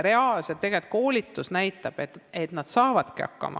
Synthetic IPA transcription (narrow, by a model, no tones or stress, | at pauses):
re̞ɑlset̪ːe̞ɡet̪̚ko̞ːlʲit̪ːˑusnæjt̪ːˑɑb̥et̪et̪nɑd̪̥sɑːvɑd̪̥kiɑ̰kːɑ̰mʔɑ̰